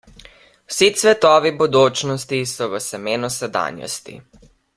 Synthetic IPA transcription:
wsit̪sʋɛt̪ɔːʋibɔd̪oːt͡ʃnɔst̪isɔʋəsɛmeːnusɛd̪a̰ːnjɔ̰st̪ḭ

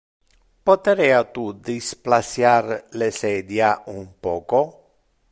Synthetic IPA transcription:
pot̪eɾɛat̪ud̪isplasjarlesɛd̪jaumpɔːko

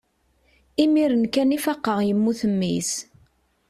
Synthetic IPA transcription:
imiɾənkænifɑqːəʁjəmːuθəmːḭs

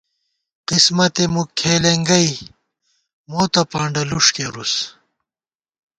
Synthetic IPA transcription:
qismɐt̪emukʰeːleŋɡɐj | moːt̪ɐpaːɳɖɐluʂkeɾus

